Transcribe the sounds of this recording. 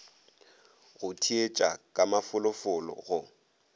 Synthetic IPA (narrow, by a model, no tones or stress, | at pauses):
ɣʊtʰiet͡ʃʼa̰kʼamafʊlʊfʊlɔ̰ɣʊ